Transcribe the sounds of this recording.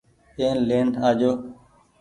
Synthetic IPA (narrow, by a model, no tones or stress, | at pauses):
ẽːnlẽːɳɖaːd͡ʒoː